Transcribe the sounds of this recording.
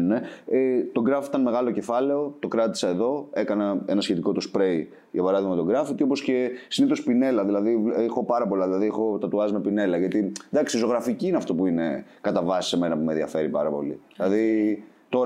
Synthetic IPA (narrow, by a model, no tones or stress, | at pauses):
nune̞et̪o̞ɡɾɐft̪ɐnme̞ɣɐlo̞cefɐle̞o̞t̪o̞kɾɐt̪i̥sɐe̞ðo̞e̞kɐnɐe̞nɐsçe̞t̪iko̞t̪ospɾe̞j | ʝɐpɐɾɐðiɣmɐmet̪o̞ɡɾɐfit̪iopo̞sce̞siniθo̞spine̞lɐðilɐðivexo̞pɐɾɐpo̞lɐðilɐðiexo̞t̪ɐt̪uɐzime̞pine̞lɐʝɐt̪id̪ɐksizo̞ɣɾɐficiːneɐft̪o̞puine̞̰kɐt̪ɐvɐsi̥se̞menɐpumenðiɐ̰fe̞ɾipɐɾɐpo̞̰lḭilɐðit̪o